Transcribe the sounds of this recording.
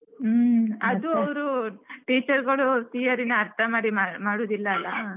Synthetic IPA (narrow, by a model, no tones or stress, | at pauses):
ɐd̪uɐʋɾuʈiːt͡ʃɐɾɡɐɭut̪ijɐɾinɐɐɾt̪ʰɐmaːɽimamaːɽoːd̪ilːɐːlːɐ